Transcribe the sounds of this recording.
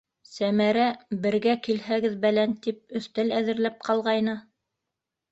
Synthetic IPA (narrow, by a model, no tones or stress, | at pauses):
sæmæɾæbɘ̆ɾɡækilhæɡɘðbælænt̪ip̚ɵ̆θt̪ælæðɘ̆ɾlæp̚qʰɑlˠʁɑjnɤ